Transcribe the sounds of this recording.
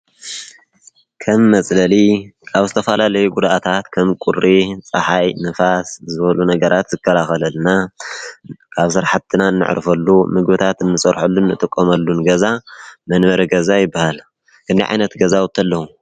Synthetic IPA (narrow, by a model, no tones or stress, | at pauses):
kʰɐmːɐt͡sʼlɐlikʰaβzɨt̪ʰɐfɐlalɐjuɡud̪ʔat̪ʰat̪kʰɐmkʼuɾit͡sʼɐ̰ħajnɨfaszɨβɐlunɐɡɐɾat̪zɨkʰːɐlaxɐlɐlna | kʰaβsɨɾħat̪ʰːɨnaɨnːɨ̰ʕ̰ɾfɐlːumɨɡβɨt̪ʰat̪ɨnːɨsʼɐɾħulːunːɨt̪ʼɨkʼːomɐlːunɡɐzamɐnβɐɾiɡɐzajɪbːahal | kʰɨnd̪iʕa̰jnɐt̪ɡɐzawɔt̪ʰːɐlːɐhu